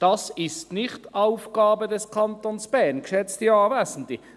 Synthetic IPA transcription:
d̥ɑsɪstnɪχtaʊfɡ̥ɑːbədɛskʰɑntonsb̥ɛɐnkʃɛt͡stiɑːvɛːsn̩ti

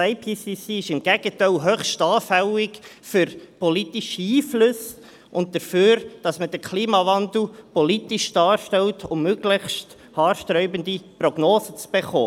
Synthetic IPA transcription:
aɪpʰiːsisiɪʃɪmɡ̥ɛɡ̥ətaɪlɦœχʃtɑːfælɪkfʏɾpɔlitiʃiːflɵs | ʔʊnt̚dəɾføːɾd̥ɑsməd̥əɾkʰliːmɑvɑnd̪l̩pɔlitiʃd̥ɑːɾʃtɛltʰʊmːøɡlɪçst | hɑːɾʃtɾœʏbəndiprɔɡ̥noːsət͡sb̥eχo̰ː

